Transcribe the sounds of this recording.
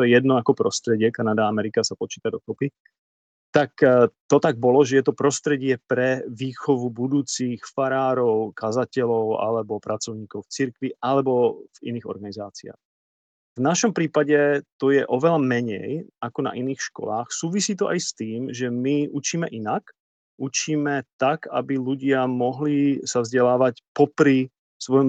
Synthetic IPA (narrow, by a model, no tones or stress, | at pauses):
t̪ɔjɛjɛd̪nɔakɔpɾɔst̪ɾɛɟɪɛkanad̪aamɛɾikasapɔt͡ʃi̥ːt̪ad̪ɔk̪ɔpi | t̪akt̪ɔt̪aɡ̚bɔlɔʒɛjɛt̪ɔpɾɔst̪ɾɛɟɪɛpɾɛʋiːxɔʋubud̪uːt͡sixfaɾaːɾɔʊkazacɛʎɔʊa̰lɛbɔpɾat͡sɔʊɲiːkɔʊft͡siɾkʋiʔalɛbɔv̥ḭniːɣɔ̰ɾɡanizaːt͡sia̰ːx | vnaʃɔmpɾiːpaɟɛt̪ɔjɛʔɔʋɛlamɛɲɛ̰jʔakɔna̰ʔiniːxʃkɔ̰laːxsuːʋisiːt̪ɔʔajst̪iːmʒɛmiʔut͡ʃiːmɛʔinak | ʔut͡ʃiːmɛt̪aka̰biluɟɪamɔɦlisavzɟɛlaːʋacpɔpɾi | sʋɔjɔm